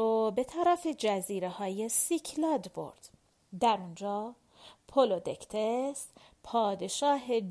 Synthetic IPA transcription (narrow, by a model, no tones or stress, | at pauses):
obe̞t̪ʰæɾæfe̞d͡ʒæziːɾehɒːjesicʰlɒːd̪bo̞̰ɾd̪̥ | d̪æɾund͡ʒɒː | pʰolod̪ecʰt̪ʰes | pʰɒːd̪e̞ʃɒːɦe